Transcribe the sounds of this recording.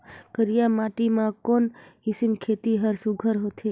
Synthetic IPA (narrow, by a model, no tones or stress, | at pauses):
kəɾijamaʈimãkonhisinkʰet̪iɦəɾsuɡʱəɾɦot̪ʰe